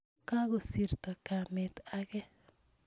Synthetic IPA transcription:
ka˦ɡo˨si˨ɾt̪ɔ˨ka˨mɪ˨t̪a˦ɡɛ˦

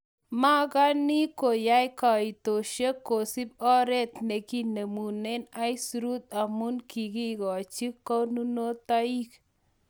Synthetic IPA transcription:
ma˦ɡa˦ni˦ko˨ja˦jka˨i˨t̪o˨ʃe˦ko˨si˦b̚ɔ˦ɾɛ˦t̪ne˨ki˦ne˨mu˨ne˦na˦i˦sɾu˦t̪a˨mu˦nki˨ɡi˦ɡɔ˨a˨t͡ʃi˦kːɔ˦nu˦no˦t̪a˦i˦k

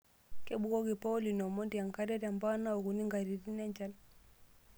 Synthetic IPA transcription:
kɛ˦ɓu˨ɣɔ˦ɣi˨pa˦ɔ˦li˨nɔ˨mɔ˦ndi˨a˨ŋka˦ɾɛ˦ɾa˨mba˦na˦ɔ˨ɣu˨ni˦ŋɡa˨ɾi˨ɾi˦na˦ɲd͡ʒa˦l

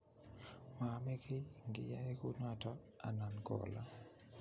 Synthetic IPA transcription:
ma˨mɛ˦kʰe˦ŋɡɪ̰˨ja˦e˦ku˦tŋa˨tɔ˦ | a̰˨na˨nkɔ̰˨la̰˦

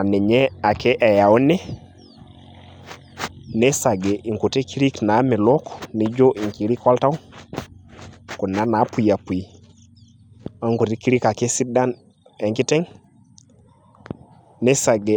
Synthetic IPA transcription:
a˨ne˨ɲe˦a˨ke˦ʔja˨u˦ne˦ | ne˦sa˨ɡe˨ʔi˨ŋku˨te˦ki˦ɾi˦kna˨˦mi˨lo˦kni˦d͡ʒo˦ʔi˨ŋki˨˦ɾi˦kwa˦lta˦w | ku˨na˨˦na˨˦pu˨i˨a˨pu˨i˨ | a˦ŋku˨te˦ki˦ɾi˦ka˨ke˦si˦da˦n | e˨ŋki˦te˦ŋ | ne˦sa˨ɡe˨

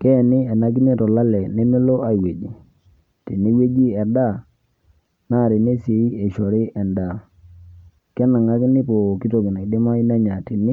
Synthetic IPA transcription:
kɛ˦˨nɪ˦ɛ˨na˦ɡi˦ni˦˨tɔ˨la˦lɛ˨ne˦mɪ˦lo˦a˦˨we˨d͡ʒi˨ | ti˨ni˦we˦d͡ʒi˦ɛ˨da˦˨ | na˦˨ɾi˨ne˦se˨i˦e˨ʃɔ˨ɾɪ˦ʔɛ˨nda˨ | kɛ˦na˨ŋa˦ɡi˦nɪ˦po˨ki˦to˨ɡi˨ne˨k̚dɪ˦ma˦i˦na˦ɲa˨ti˨nɪ˦

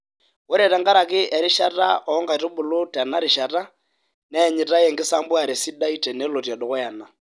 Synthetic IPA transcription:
wɔ˦ɾɛ˨ta˦ŋɡa˦ɾa˨kɪ˦ʔɛ˨ɾɪ˦ʃa˦ta̰˦ɔ˨˦ŋɡa˨to˦bu˨lo˦ta˨na˦ɾi˨ʃa˨ta˦ | nɛ˨ɲi˨ta˦jɛ˨ŋɡɪ˦sa˦mbwa˨ɾe˨si˦da˦i˦tɛ˨nɛ˨˦lɔ˨ti˨a˨dɔ˨kɔ˦ja˨na˨

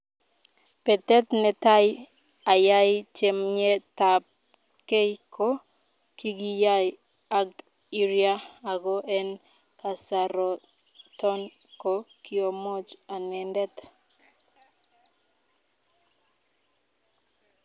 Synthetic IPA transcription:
pɛ˨t̪ɛ˦t̪nɛ˨ta˦j | a˨ja˦jt͡ʃe˨mɲɛ˦ta˨p̚ | ke˦jkʰo˦ | ki˦ɡi˦ja˦j | a˦kt | i˦ɾia˦a˨ɡɔ˦ʔɛ˦n | ka˨sa˨ɾɔ˨ | tɔ˦n | ko˨ki˦o˨mɔ˦t͡ʃa˨nɛ˨ndɛ˦t̪

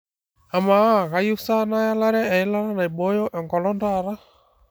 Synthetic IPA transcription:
a˨ma˨a˦˨ɣa˦ju˦sa˦na˦ja˦la˦ɾɛ˦ɛ˨i˦la˦ɾa˦na˨i˨ɓɔjɔ˦ʔɛ˨ŋkɔ˨lɔndaɾa˦

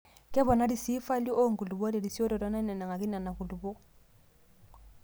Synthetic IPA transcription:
kɛ˦βɔ˨na˦di˨si˦fa˦li˦ʔo˦ŋ̩˨ku˨lu˨bdi˨di˨si˦o˦ɾɔ˨ɾɔ˦na˦nɛ˨nɛ˨ŋa˨ki˦na˨na˨ku˨lu˨bɔ˦

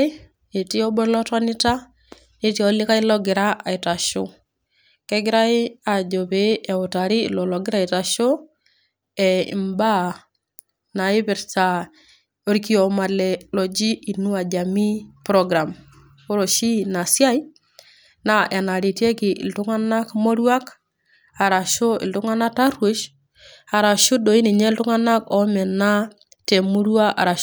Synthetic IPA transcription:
e˨ti˦ɔ˦bo˦ɾlɔ˦ta˦ni˦ta˦ | ne˦ti˦ɔli˦ka˦i˦lɔɡɪ˨ɾa˦ʔa˨i˨ta˨ʃo˦ | kɛ˦ɡɪ˦ɾa˦i˦a˨d͡ʒo˨pe˦ɛ˨uta˨ɾi˦lɔ˨lɔɡɪ˦ɾa˦˨i˨ta˨ʃo˦ | ɛḭ˨mba˦ | na˨i˦pi˨ɾta˨ | o˦ɾiki˦ɔ˨malɛlɔ˨d͡ʒi˦i˨nu˦a˨d͡ʒa˨mi˦pɾɔ˦ɡɾa˨m | ko˦ɾo˨ʃi˦na˨sja˦i˦ | na˨ʔe˨na˨ɾi˨tje˦kɪ˨ʔḭ˨ltu˦ŋa˦na˦kmo˦ɾwa˦k | a˨ɾa˨ʃo˦ɪ̰˨ltu˦ŋa˦na˦ta˦ɾwe˦ʃ | a˨ɾa˨ʃu˦do˨i˦ni˨ɲɛ˦ltu˦ŋa˦na˦kɔ˨˦mɛ˨na˦ | te˨mu˦ɾwa˦ʔa̰˨ɾa˨

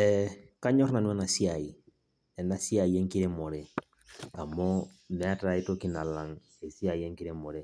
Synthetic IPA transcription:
ɛka˦ɲɔ˦ɾna˨nwɛ˦na˨si˦a˨i˨ | ɛ˨na˦si˦a˨i˨ɛ˦ŋki˦ɾe˦mɔ˨ɾe˦ | a˨mɔ˦nɛ˨a˦ta˨˦i˦to˦ki˦na˨la˨ŋ | e˨si˦a˨i˨˦ɛ˦ŋki˦ɾe˦mɔ˨ɾe˦

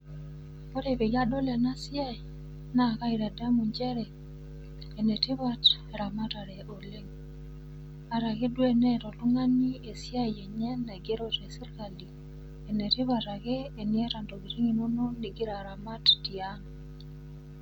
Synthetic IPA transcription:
po˦ɾe˨pe˨ja˦dɔ˦lɛ˨na˦sja˦˨ | na˦˨ka˦i˨ɾa˨da˦mu˨ɲd͡ʒɛ˦ɾɛ˨ | e˨nɛ˨ti˦βa˦t | ɾa˨ma˦ta˨ɾɛ˨ʔo˨le˦ŋ | a˨ɾa˨ke˦dwe˦nɛ˦tɔ˨lu˦ŋa˦ni˦e˨sja˦˨jɛ˨ɲɛ˦nːa˨ɡe˦ɾo˦tɛ˨si˦rka˨li˨ | e˨nɛ˨tɪ˦βa˨ta˨keː˦˨ni˦ɛ˦ɾa˨ndo˨ɡi˨ɾi˦ŋi˨no˦no˦ni˨ɡi˦ɾa˨ɾa˨ma˦tti˨a˦n˨

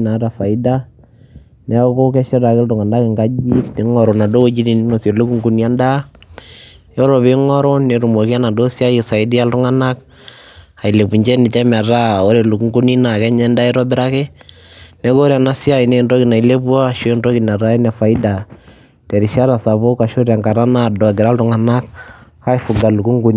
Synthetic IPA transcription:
na˨˦ɾa˨fa˨i˦da˦ | nɛ˦ko˦kɛ˦ʃɛ˦ɾa˨kɪ˦ltʊ˨ŋa˨nda˦kɪ˨ŋɡa˦d͡ʒi˦kni˨ŋɔ˨ɾɔ˨na˨do˦ko˦d͡ʒi˦di˨n˦no˨se˨lu˦ku˦ŋɡu˨ni˦a˦nda˦ | jɔ˦ɾo˨βe˦ŋɔ˦ɾo˦ne˨ɾu˨mo˨ki˦a˦na˨do˦sa˦je˨sa˨ɪ˦di˦a˦ltʊ˦ŋa˦na˦k | a˨i˨le˨bu˨ɲd͡ʒɛ˦nɪ˨t͡ʃɛ˦ma˨ɾa˦˨o˦ɾe˨lu˨ku˦ŋɡu˦ni˦na˨kɛ˦ɲɛ˦nda˦ɛ˦ɾɔ˦bɪ˦ɾa˦ke˦ | nɛ˨˦ɡo˦ɾja˨na˦sja˦ji˨ne˦ndo˦ki˨na˨i˨le˦bu˦a˦ʃndo˦ki˨na˨ɾa˦ɛ˦nɛ˨fa˨i˦da˨ | tɛ˨ɾi˨ʃa˦ɾa˨sa˨βo˦ka˨ʃo˦ɾja˨ŋka˨ɾa˦na˦˨dɔ˨ɡɪ˨ɾa˦ltʊ˨ŋa˨na˦k̚ | a˦i˦fu˨ɡa˨lu˨ku˦ŋɡu˦n˨

